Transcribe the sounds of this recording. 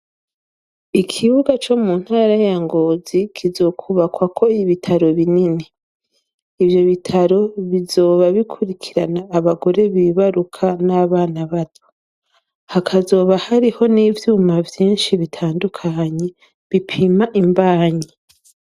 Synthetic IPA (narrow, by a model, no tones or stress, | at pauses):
ikʰiβuɡat͡ʃo̞mun̥haːɾajaŋɡo̞ːzikʰizo̞ːkʰuβakwakʰo̞iβitʰaɾo̞βinini | ivjo̞βitʰaɾo̞βizo̞ːβaβikʰuɾikʰiɾanaːβaɡo̞ɾe̞βiːβaɾukʰanaβaːnaβatʰo̥ | hakʰazo̞ːβahaɾiho̞niːvjuːmavjiːnʃiβitʰaːndukʰaɲe̞ | βipʰimaʔimbaːɲe